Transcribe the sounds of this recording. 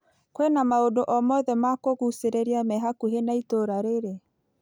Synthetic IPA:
kwenamaodoʔɔmɔðɛmakoɣuseɾeɾiamɛɦakuɦenaitoɾaɾeɾe

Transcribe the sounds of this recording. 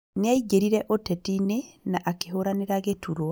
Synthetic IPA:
neaiɡeɾiɾɛʔotɛtinenaʔakeɦoɾaneɾaɡetuɾo

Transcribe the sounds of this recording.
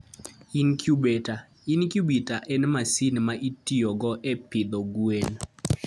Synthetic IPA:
inkjubeta | inkjubitaʔɛnmasinmaʔitiɔɡɔʔɛpɪd̪ɔɡwen

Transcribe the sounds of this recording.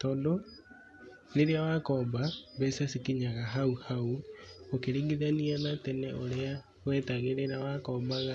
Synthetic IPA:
tɔːndo | neɾeawakɔːmbabɛsasikiɲaɣaɦauhauokeɾiːŋɡiðanianatɛnɛʔoɾea | ɣwɛːtaɣeɾɛnawakɔːmbaɣa

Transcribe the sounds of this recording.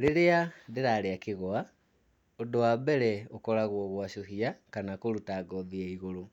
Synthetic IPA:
ɾeɾeandeɾaːɾeakeɣɔa | odowabɛɾɛokɔɾaɣwɔɣwaʃoɦiakanakoɾutaɡɔðiaiɣoɾo

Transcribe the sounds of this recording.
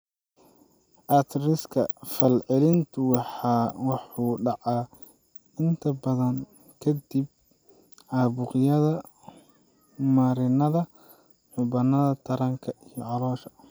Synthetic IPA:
ʔɑt̪ʰrɪskʰɐfɐlʕɪlɪnt̪ʰʊwɑħɑːwɑħuːɖɑʕɑː | ɪnt̪ʰɐbɐðɐŋ | kʰɐd̪ib̚ | ʕaːβʊqɪjɐðɐ | mɐɾɪnɐðɐ | ħʊbɐnːɐðɐt̪ʰɐɾɐŋkʰɐijɞʕɑlɔːʃɐ̥

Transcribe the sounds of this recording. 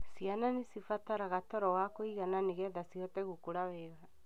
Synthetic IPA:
siananesifataɾaɣatɔɾɔwakoiɣananeɣɛðasiɔtɛɣukuɾawɛːɣa

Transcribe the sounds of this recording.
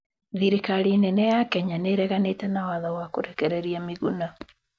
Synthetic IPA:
ðiɾikaɾinɛnɛjakɛɲaneɾɛɣanetɛnawaðawakoɾɛkɛɾɛɾiamiɣuna

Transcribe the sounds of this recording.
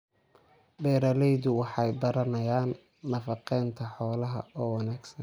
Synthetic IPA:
bɛːɾɐlɛjðʊwɑħɑjbɐɾɐnɐjaːnː | ɐfɑqɛnt̪ʰɐħɔːlɐɦɐ̰ɔːwɑnaːɡsɐn

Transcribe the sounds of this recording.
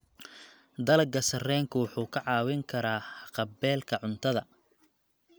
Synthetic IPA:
d̪ɐlɐɡɐsɐrɛːŋkʰʊwʊħuːkʰɐʕɑːwɪŋkʰɐɾaːqɑbɛːlkʰɐʕʊnt̪ʰɐðɐ

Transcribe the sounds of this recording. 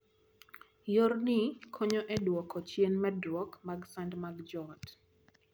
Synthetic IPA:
jornɪkʰɔɲɔʔɛdwɔkɔt͡ʃjenmɛdɾwɔkmaɡsandmaɡd͡ʒɔt

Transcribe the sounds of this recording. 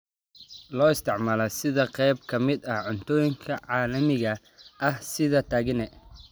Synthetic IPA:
lɔːɪst̪ʰɪʕmaːlɐsɪðɐqɛjb̚kʰɐmɪd̪ɐhʕʊnt̪ʰɔːjɪŋkʰɐʕɑːlɐmɪɣɐ | ʔɐhsɪðɐt̪ʰaːɣɪnɛ

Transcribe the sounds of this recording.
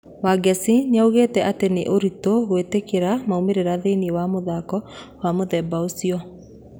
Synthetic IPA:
waɡɛsinauɣeːtɛʔateneʔoɾitoɣwetekeɾamaumeɾeɾaðeiniewamoðaːkɔwamoðɛːbaosiɔ

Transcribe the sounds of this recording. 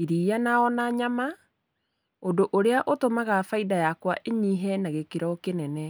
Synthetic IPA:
iɾijanaɔnaɲama | odoʔoɾeaʔotomaɣafaidajakwaʔeɲiɦɛnaɣekeɾɔkenɛnɛ

